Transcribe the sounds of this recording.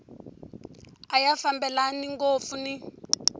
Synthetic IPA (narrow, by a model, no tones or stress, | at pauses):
ajafambɛlaniŋɡofuni